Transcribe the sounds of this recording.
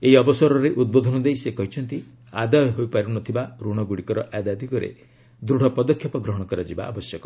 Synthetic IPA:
eiɔbɔsɔɾɔɾeʔud̪̚bod̪ʱɔnɔd̪ejsekɔɦit͡ʃʰɔnt̪i | a̰d̪ajɔɦojpaɾunɔt̪ʰibaɾuɽ̃ɔɡuɽikɔɾɔʔad̪ad̪ʱikɔɾḛ | d̪ɾuɽ̤ʱɔpɔd̪ɔkʰːjɔpɔɡɾɔɦɔɽ̃ɔkɔɾad͡ʒiba̰a̰bɔsjɔkɔ

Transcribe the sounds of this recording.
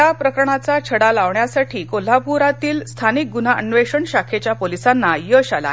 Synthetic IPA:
apɾəkəɾɳat͡sat͡ɕʰəɽalaʋɳjasaʈʰiːkol̤apuɾat̪iːlst̪ʰanik̚ɡun̤aʔənʋeʂəɳɕakʰet͡ɕjapolisanːajəɕala̰

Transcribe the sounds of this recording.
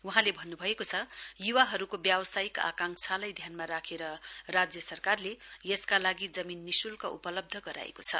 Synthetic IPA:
uɦãlebʱʌnːubʱʌekot͡sʰʌjuwaɦʌɾukobjawʌsajika̰kaŋkt͡sʰalʌjd̪ʱjanmaɾakʰeɾʌrad͡zjʌsʌrkarlejeskalaɡid͡zʌminːisulkaupʌlʌb̚d̪ʱʌɡʌɾa̰ḛkot͡sʰʌ

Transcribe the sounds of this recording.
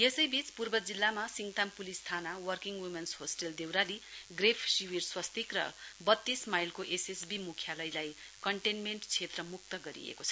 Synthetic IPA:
jesʌjbit͡spurbʌd͡zilːamasiŋt̪ampulist̪ʰanawʌrkiŋɡwimenshosʈeld̪ewɾaliɡrepʰsiwirswʌst̪ikrʌ̰bʌt̪ːismajlkoʔesesbimukʰjalʌjlaj | kʌɳʈenmeɳʈt͡sʰet̪rʌmuk̚t̪ʌɡʌɾḭḛkot͡sʰʌ̥

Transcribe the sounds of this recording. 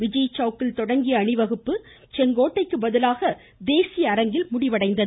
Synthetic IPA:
ʋɪd͡ʒɐjt͡ʃːɐːkːɪlt̪ɔɽɐŋɡɪjɐːɳɪʋɐɣɯpːɯ | t͡ʃɛŋɡoːʈːɐɪkːɯbɐðɯlaːɣɐ | d̪eːsɪjɐːɾɐŋɡɪlmʊɽɪʋɐɽɐɪnd̪ɐð

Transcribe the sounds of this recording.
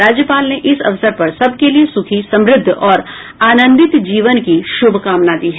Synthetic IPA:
aːd͡ʒjəpaːlneʔɪsɐ̰ʋsəɾpɐɾsɐb̚ʱkeliesʊkʰisɐ̃mɾɪd̪ʱːɔːɾ | aːnə̃nd̪ɪt̪d͡ʒiːʋənkiʃʊbʱkaːmnad̪iːɦɛ

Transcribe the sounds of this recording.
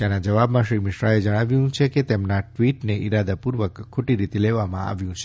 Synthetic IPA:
d͡ʒanad͡ʒəʋabmãʃɾimɪʃɾaed͡ʒəɽ̃aʋjũt͡ʃʰeket̪emnaʈʋiʈneʔiɾad̪apuɾʋəkʰːoʈiɾit̪eleʋamãa̰ʋjũt͡ʃʰe

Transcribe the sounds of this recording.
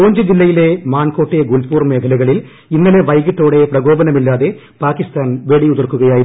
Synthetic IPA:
oːɲd͡ʑɨd͡ʑilːɐjile̞maːnko̞ːʈːeɡulpuːrme̞ːkʰɐlɐɣɐɭil | inːɐle̞ʋɐjɣiʈːoːɽe̞prɐɣo̞ːbɐnɐmilːaːðe̞ | paːkist̪aːnʋe̞ɽiuðɐrkːuɣɐjaːjiɾ

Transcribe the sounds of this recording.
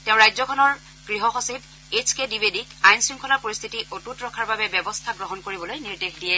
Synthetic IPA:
tɛʊ̃ɹajzɔkʰɔnɔɹ | ɡ̥ɹiɦɔxosib̚ | et͡ʃʰkedibedikajnsɹiŋkʰɔlapoɹist̪ʰitiʔotutɹɔkʰaɹbabɛbjɛbɔstʰaɡɹɔɦɔnkoɹibɔlojniɹdexʰdijɛ

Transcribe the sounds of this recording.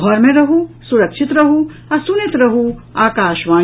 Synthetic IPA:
ɔːjmẽɾɐɦusuɾɐkʃit̪ɾɐɦu | ɐsunit̪ɾɐɦuaːkaːʃʋaː

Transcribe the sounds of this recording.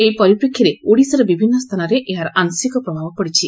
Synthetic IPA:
ejpɔɾipɾekʰːjaɾeoɽisɔɾebibʱinːɔst̪ʰanɔɾeʔeɦaɾʔansikɔpɾɔbʱabɔpɔɽit͡ʃʰi

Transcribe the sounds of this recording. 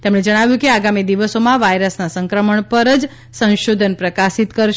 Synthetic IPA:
t̪emɳed͡ʒəɽ̃aʋjũkeaɡamid̪iʋəsomãʋajɾəsnasəŋkɾəməɳpəɾəd͡ʒ | sə̃ñʃod̪ʱənpɾəkasit̪kəɾʃ

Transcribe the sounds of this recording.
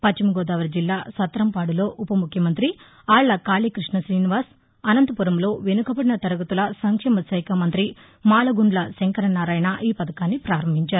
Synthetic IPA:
pɐt͡ʃːimuɡɔːd̪aːʋɐɾd͡ʒilːaːsɐt̪ːɾɐmpaːɽulo̞ːʔupɐmukʰjɐmɐnt̪ɾi | aːɭːɐkaːliːkɾiʂɳɐsɾiːniʋaːɾs | ɐnɐnt̪ɐpuɾɐmlo̞ːʋenukɐbɐɽinɐt̪ɐɾɐɡɐt̪ulɐsɐŋkʂɛːmɐsɐjkɐmɐnt̪ɾi | maːlɐɡuɳɖlɐseŋkɐɾɐnaːɾaːjnaʔiːpɐd̪ɐkaːnːipɾaːɾɐmbʱiɲt͡ʃaːɾu

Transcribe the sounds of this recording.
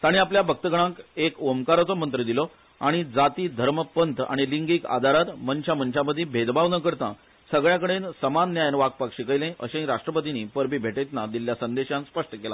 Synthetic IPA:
t̪aɽ̃iapljabʱək̚t̪əɡəɽ̃ãkekomkaɾat͡sɔmənt̪ɾəd̪ilɔ | aɽ̃id͡zat̪iːd̪ʱəɾməpənt̪ʰa̰ɽ̃iliŋɡiːka̰d̪ʱaɾat̪mənt͡ɕamənt͡ɕaməd̪ʱːĩbʱed̪baʋnəkəɾt̪ã̰ | səɡɭjãkəɽensəmanːjajnʋak̚pakɕikəjlẽʔəɕẽĩɾaʂʈɾəpət̪iniːpəɾbiːbʱeʈet̪nad̪iljasənd̪eɕãnspəʂʈəkela̰

